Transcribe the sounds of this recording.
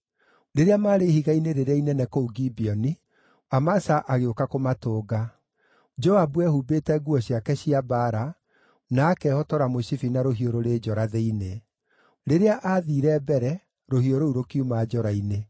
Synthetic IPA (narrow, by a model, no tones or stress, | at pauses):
ɾeɾeamaːɾehiɣaineɾeɾeainɛnɛkouɡibiɔni | amasaʔaɣeokakomatoːɡa | d͡ʒɔabuɛhubetɛɡuɔɕiakɛɕiabaɾa | naːkɛhɔtɔɾamoɕifinaɾoɦioɾoɾeːd͡ʒɔɾaðeine | ɾeɾeaʔaðiːɾɛbɛɾɛ | ɾohioɾouɾokiumaːd͡ʒɔɾaine